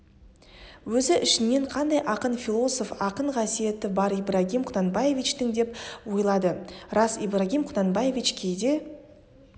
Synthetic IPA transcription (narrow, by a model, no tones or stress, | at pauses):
wɵzɪʔɪʃɪnːe̞ɴqʰɑnd̪ɑjʔɑqənfʲilˠo̞so̞fɑqəɴqʰɑsije̞t̪ɪbɑɾijbɾaɡʲimqʰʊnɑnbɑje̞vʲit͡ʃt̪ɪŋd̪e̞pwo̞jlˠɑd̪əɾɑsibraɡʲimqʰʊnɑnbɑje̞vʲit͡ʃkʲʰe̞jd̪e̞